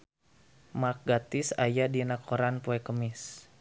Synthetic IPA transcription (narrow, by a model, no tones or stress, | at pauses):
mak̚ɡat̪isajadinakʰoɾanpoɛkəmɪs